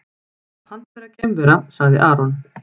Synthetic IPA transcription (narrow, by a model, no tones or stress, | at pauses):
hanːfɛɾaðcɛmvɛɾasaɣðɪ̰ʔaːɾɔn